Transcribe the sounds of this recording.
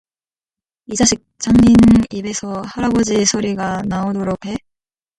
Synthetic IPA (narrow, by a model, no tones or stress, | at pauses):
id͡ʑaɕʰik̚t͡ɕ͈aŋɲinibe̞sʰʌhaɾabod͡ʑisʰoɾiɡanaodoɾopʰhe̞